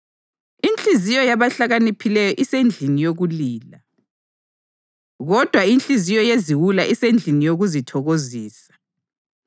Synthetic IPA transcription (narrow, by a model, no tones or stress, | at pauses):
int͡ɬʼizijɔjaβaɬaɣanipʰilɛjɔʔisend͡ɮʱinijoɣuliːla | ɣɔd̥ʱwaint͡ɬʼizijɔjeziwulaʔisend͡ɮʱinijoɣuzitʰɔɣoziːsḁ